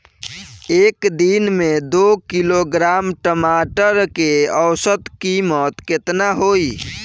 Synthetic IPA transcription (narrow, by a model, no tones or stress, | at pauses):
ekd̪inmed̪okiloɡɾamʈəmaʈəɾkeəwsət̪kimət̪ket̪naɦoi